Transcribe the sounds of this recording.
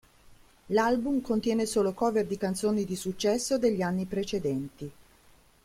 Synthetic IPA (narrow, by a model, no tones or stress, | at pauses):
lalbumkont̪jɛːnesoːlokɔːverd̪ikant̪soːnid̪isut͡ʃːɛsːod̪eʎːianːipɾet͡ʃed̪ɛnt̪i